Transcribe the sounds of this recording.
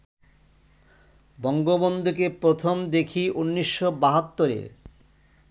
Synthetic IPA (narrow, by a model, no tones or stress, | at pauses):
bɔŋɡobond̪ʱukepɾot̪ʰomd̪ekʰiʔunːiʃːobaɦat̪ːoɾḛɾ